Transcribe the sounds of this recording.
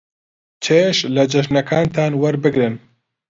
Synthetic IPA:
t͡ʃʰeʃlɐd͡ʒɐʃnɐkʰaːnt̪ʰaːnwɐɾbɨɡɾɨn

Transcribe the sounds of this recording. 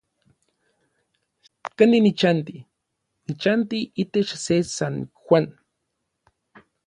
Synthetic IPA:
kaninit͡ʃant̪i | nit͡ʃant̪iʔit̪et͡ʃsesanxʷan

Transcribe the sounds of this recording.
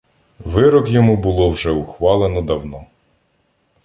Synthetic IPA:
ʋɪɾɔkjɔmubʊlˠɔwʒɛʊxʋɑlˠenɔd̪ɐwnɔ

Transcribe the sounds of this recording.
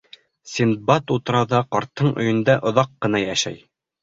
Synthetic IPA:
sʲin̚bɑt̪ut̪ɤ̆ɾɑwðɑqɒɾt̪ːɤɴɵ̆jɘ̆nd̪æʔŏðɑqːɤ̆nɑjæʃæ̰j

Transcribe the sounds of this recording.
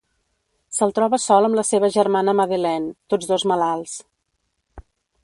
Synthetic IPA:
səlˠt̪ɾɔβəsɔlˠəmləseβəʒərmanəməðilɛnt̪od͡zðozməlalˠs

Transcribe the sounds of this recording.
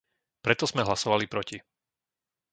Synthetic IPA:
pɾɛt̪ɔz̥mɛɦlasɔʋalipɾɔci

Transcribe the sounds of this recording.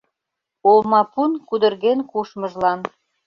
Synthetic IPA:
olmɑpunkud̪ə̆rɣenkuʃmə̆ʒlɑn

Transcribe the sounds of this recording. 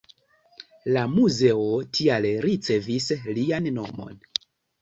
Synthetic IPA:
lamuze̞o̞tʰialɾit͡se̞vislianːo̞̰mo̞̰n

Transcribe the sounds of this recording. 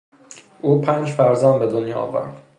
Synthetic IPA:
ʔuːpʰænd͡ʒfæɾzɒːnbed̪onjɒːɒ̰ːvæ̰ɾd̪̥

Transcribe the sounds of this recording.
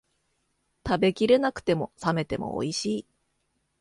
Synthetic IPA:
t̪abe̞kʲiɾe̞nakɯ̟̥t̪e̞mo̞same̞t̪e̞mo̞̰o̰iɕiː

